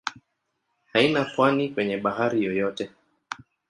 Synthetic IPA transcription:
hainapwanikwɛɲɛɓaɦaɾijɔjɔtɛ

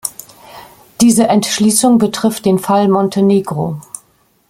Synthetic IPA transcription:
d̥iːzəʔɛntʃliːsʊŋbətʁ̥ɪft̚d̥eːnfalmɔntʰəneːɡʁo

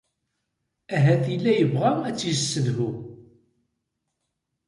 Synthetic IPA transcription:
æɦæθilːæjəvʁææt͡sːizəsːəðhu

